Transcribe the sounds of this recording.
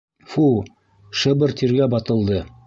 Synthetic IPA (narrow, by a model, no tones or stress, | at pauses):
fu | ʃɤ̆bɤ̆ɾt̪iɾɡæbɑt̪ɤ̆lˠd̪ɤ